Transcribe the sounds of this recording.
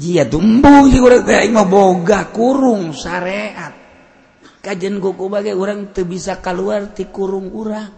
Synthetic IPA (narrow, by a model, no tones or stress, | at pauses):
d͡ʒiat̪umbusiuɾaŋt̪əaimaboɡakuɾuŋsaɾeʔat̪̚ | kad͡ʒənkukubaɡɛuɾaŋt̪əbisakaluart̪ikuɾuŋuɾaŋ